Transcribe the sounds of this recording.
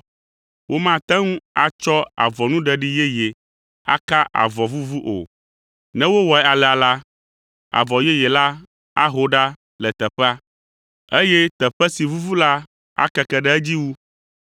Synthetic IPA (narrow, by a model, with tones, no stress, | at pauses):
wʔo˦mã˦t̪ɛ̃˦ŋũ˦a˨t͡ʃɔ˦a̰˨vɔ˨nũ˦ɖɛ˨ɖi˦jɛ˦je˨ | a̰˦ka˦ʔa̰˨vɔ˨vu˦vu˦ʔo̰˨ | nɛ̃˦wo˦wɔ˨ɛ˦a˨lɛ˨a˨la˦ | a̰˨vɔ˨jɛ˦jɛ˨la˦ | a̰˦ɦo˦ɖa˦ | lɛ˨t̪ɛ˨ɸɛ˦a˦ | e˦jɛ˦t̪ɛ˨ɸɛ˦si˨vu˦vu˦la˦ | a̰˦kɛ˦kɛ˦ɖɛ˦ɛ˦d͡ʑi˦wu˦